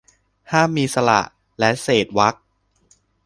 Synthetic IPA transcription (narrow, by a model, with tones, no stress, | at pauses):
haː˥˩mːiː˧sa˧la̰˨˩ʔ | lɛ˦˥seː˨˩t̪̚wa˦˥k̚